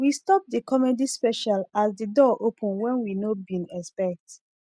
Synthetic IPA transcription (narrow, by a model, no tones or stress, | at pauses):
wistɔp̚dəkɔmedispɛʃalasdədɔʔopʰə̃nwɛ̃nwinobĩnɛspɛk̚t